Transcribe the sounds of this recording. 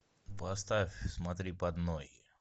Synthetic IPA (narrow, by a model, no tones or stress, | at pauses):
pɐst̪afʲsmɐt̪ɾʲipɐd̪noj